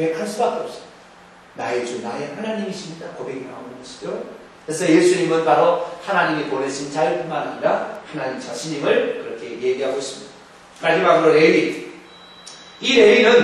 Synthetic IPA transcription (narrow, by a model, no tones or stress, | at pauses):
obekʰaɭs͈ʰudakʌp̚s͈ɯ̥midḁ | nae̞d͡ʑunaje̞hanaɲimiɕʰimɲidakobe̞ɡinamɯnɡʌɕʰi̥d͡ʑo | kɯɾesʰʌje̞sʰuɲimɯnpaɾohanaɲimemoɾeɕʰint͡ɕaiɭpunmanaɲiɾahanaɲimt͡ɕaɕʰiɲimɯɭkɯɾʌkʰe̞je̞ɡeɦaɡois͈ɯmɲid̥a | maɭd͡ʑimaɡɯɾoɾe̞ɥi | iɾe̞ɥinɯn